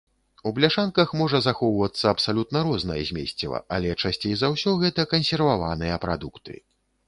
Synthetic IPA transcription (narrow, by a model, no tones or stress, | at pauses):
ublʲaʂankɐxmɔʐɐzaxɔwvɐt̪sːɐːpsalʲut̪nɐɾɔznɐjɐ̰zʲmʲḛsʲt͡sʲɛ̰vɐ̰alʲɛt͡ʂasʲt͡sʲejzawsʲɔɣɛt̪ɐkɐnsʲɛrvavanɨjɐpɾa̰d̪ukt̪ɨ̰